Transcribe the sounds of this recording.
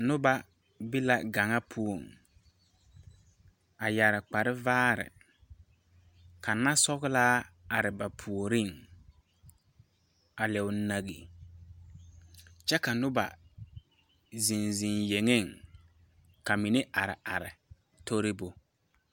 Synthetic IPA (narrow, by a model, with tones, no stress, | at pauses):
nʊ˦ba˨ | bɪ˦la˨ɡa˨ŋa˦pʰu˦o˨ŋ | a˨ja˨ɾɪ˨k͡pa˨ɾɪ˦vaː˦ɾɪ̰˨ | ka˨na˦sɔ˦ɣɪ˦laː˦a˨ɾɪ˨ba˨pʰu˨o˨ɾi˦˨ŋ | a˨lɛ˨ʊ˨˦na˦ɣḭ˨ | t͡ʃɛ˦ka˨nʊ˦ba̰˨ | zi˨nzi˨nje˨ŋe˦˨ŋ | ka˨mi˨nɪ˦ʔa˨ɾɪ̰˨a˨ɾɪ˨ | to˦ɾɪ˦bʊ˨